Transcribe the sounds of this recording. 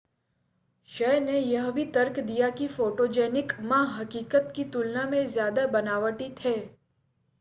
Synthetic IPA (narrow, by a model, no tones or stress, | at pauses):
ʃɛːnejɐɦbʱit̪ɐɾkd̪ijakifoːʈoːd͡ʒɛːnɪkmãɦɐkiːkət̪kit̪ʊlnamẽzjaːd̪abɐnaːʋəʈit̪ʰeː